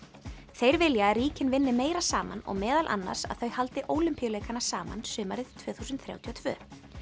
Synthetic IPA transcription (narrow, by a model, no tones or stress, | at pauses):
θejɾvɪljariːcɪnvɪnːɪmeːjɾasaːma̰nɔ̰ɣmɛːðalʔa̰nːa̰ɾ̥sa̰ðθœɥhalt̪ɪʔoːwlʏmpijʏlejkanḁsaːma̰nsʏːmaɾɪð̥t̪ʰvœːθuːsʏnt̪θɾja̰wt̪ʰiɔt̪ʰvœ̰ː